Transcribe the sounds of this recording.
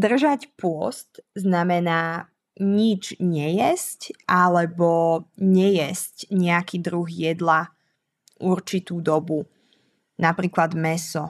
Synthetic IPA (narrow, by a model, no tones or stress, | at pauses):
d̪r̩ʒacpʊɔ̰st̪znamɛnaː | ɲid͡ʒɲɛjɛscʔalɛbɔɲɛjɛscɲɛakiːd̪ɾuɦjɛd̪la | ʔuɾt͡ʃit̪uːd̪ɔbu | napɾiːklad̪mɛsɔ